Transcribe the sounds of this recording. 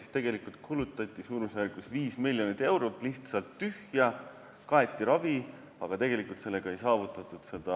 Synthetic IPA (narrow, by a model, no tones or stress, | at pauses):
si̥st̪e̞ɡ̥e̞likult̪̚kʰulut̪ːˑɑt̪ʲːˑisuːɾmusærɡusviːsmilʲjo̞nit̪ːˑe̞wɾot̪ːˑliht̪sɑlt̪ːyhjɑ | kɑe̞t̪ʲːˑiɾɑvi | ɑɡ̥ɑt̪e̞ɡ̥e̞likːˑult̪se̞lːe̞ɡ̥ɑejsɑːvut̪ːˑɑt̪ːˑud̪̥se̞d̪̥ɑ